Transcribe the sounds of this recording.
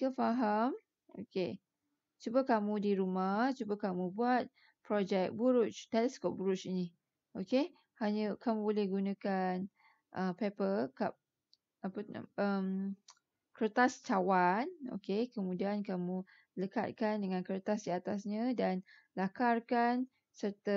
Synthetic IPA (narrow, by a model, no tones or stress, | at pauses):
kəfaɦam | o̰ke | t͡ʃubakamũdiɾumaht͡ʃubakamũbuat̪̚ | pɾɔd͡ʒɛk̚buɾut͡ʃt̪ɛlɛskop̚buɾʊt͡ʃini | ʔoke | haɲə̃kamũbolɛhɡunãkan | ʔəmpepəlka̰p̚ | apən̰əm | kəɾt̪ast͡ʃawano̰kekəmũdiankamũ | ləka̰t̪̚kandəŋãnkəɾt̪asdiat̪asɲə̃dan | lakarkan | sərt̪ə